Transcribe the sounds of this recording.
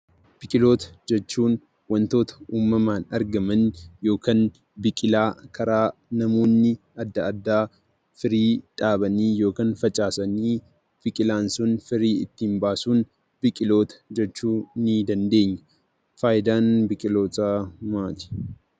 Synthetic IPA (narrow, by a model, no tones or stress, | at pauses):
b̥ɪkʼɪlo̞ːt̪ɐ̥d͡ʒɛt͡ʃːuːn | wɐnt̪o̞ːt̪ɐ̥uːmːɐmaːnɐɾɡɐmɐnjo̞ːkɐn | bɪkʼɪlaːkʰɐɾaːnɐmo̞ːnːɪ | ɐd̪ːɐɐd̪ːaː | fɪɾiːᶑʼaːbɐniːjo̞ːkɐnfɐt͡ʃʼaːsɐniː | b̥ɪkʼɪlaːnsʊnfɪɾiːɪt̪ːiːmbaːsuːn | b̥ɪkʼɪlo̞ːt̪ɐ̥d͡ʒɛt͡ʃːuːniːd̪ɐnd̪e̞ːɲːɐ̥ | faːjɪd̪aːnbɪkʼɪlo̞ːt̪amaːt̪i̥